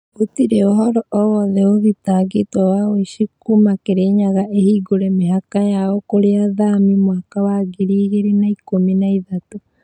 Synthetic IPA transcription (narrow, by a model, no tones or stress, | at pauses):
otiɾeoɦɔɾɔʔɔwɔðɛoðitaːɡetwawaweʃikumakeɾeːɲaɣaʔehiːɡoɾemehakajaɔkoɾeaðamimwaːkawaɡeɾiːɣeɾinaikominaiðato